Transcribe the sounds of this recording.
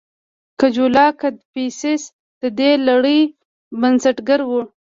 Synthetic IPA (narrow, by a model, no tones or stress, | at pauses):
kad͡ʒulɑkad̪̚pisɪs | d̪̥əd̪elaɽəj | bansaʈɡaɾwu